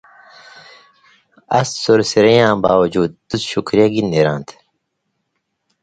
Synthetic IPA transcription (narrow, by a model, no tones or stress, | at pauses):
ɐ̰ssuɾsiɾɐjãːbaːwɐd͡ʑuːd̪̚t̪usɕukɾijɐɡinːeɾãːnt̪ʰ